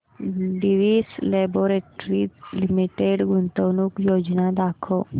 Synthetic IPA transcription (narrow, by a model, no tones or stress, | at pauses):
ɖiʋiːsleboɾeʈɾilimiʈeɖɡunt̪əʋnuːkjod͡ʒnad̪akʰo